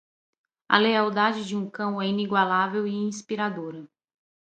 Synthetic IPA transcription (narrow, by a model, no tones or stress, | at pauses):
ɐ̰leawd̪ad͡ʒɪd͡ʒɪũkɐ̃w̃ɛĩniɡwalavewiĩspiɾad̪oɾɐ